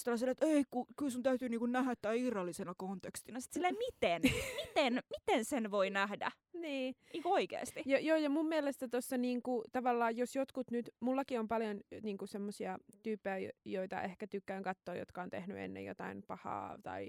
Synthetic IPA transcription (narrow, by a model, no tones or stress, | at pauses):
selːɑselet̪eikukylsunt̪æyt̪yːniːŋkunnæhæt̪ːæiirːɑlːisenɑkont̪ekst̪inɑsi̥t̪silːemit̪enmit̪enmit̪ensenʋoinæhdæ̰ | niːniːŋkuoikḛːstt̪ijɑjoːjɑmumːielest̪æt̪osːɑniːŋkut̪ɑʋɑlːɑːjjosjot̪kut̪nyt̪mulːɑkiompɑljonniːŋkusemːosiɑt̪yːpːejæjoit̪ɑ̰ʔehkæt̪ykːæːŋkɑt̪ːoːjo̰t̪kɑont̪ḛhnyḛnːḛjo̰t̪ɑ̰inpɑhɑ̰ːt̪ɑ̰i